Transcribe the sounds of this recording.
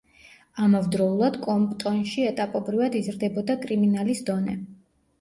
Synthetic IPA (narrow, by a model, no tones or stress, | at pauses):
amɔvd̪ɾɔulˠad̪̥kʼɔmpʼt̪ʼɔnʃiɛt̪ʼapʼɔbɾivad̪izɾd̪ɛbɔd̪akʼɾiminalisd̪ɔnɛ̰